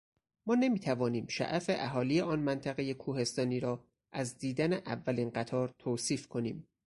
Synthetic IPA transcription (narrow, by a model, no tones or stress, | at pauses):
mɒːne̞miːt̪ʰævɒːniːmʃæ̰ʔæfe̞ʔæɦɒːlijeɒːnmænt̪ʰæɣe̞jekʰuːhe̞st̪ɒːniːɾɒː | ʔæzd̪iːd̪æneʔævːæliːnɢæt̪ʰɒːɾt̪ʰoːsiːfkʰo̞niːm